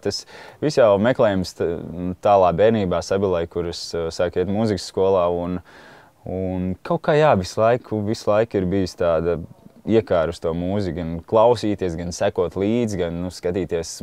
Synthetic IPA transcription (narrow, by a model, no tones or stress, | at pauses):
t̪asʋisjawmɛklˠɛːjmst̪ut̪aːlˠaːbɛːniːbaːsabilˠajkuɾəssaːkiɛt̪muːziksːkuɔlˠaːun | unkʰawkːaːjaːʋislˠajkʰuʋislˠajkiɾbijust̪aːd̪aiɛkaːɾust̪uɔmuːzikɡanklˠawsiːt̪iɛsɡansækuɔt̪lˠiːd̪zɡannuskat̪iːt̪iɛs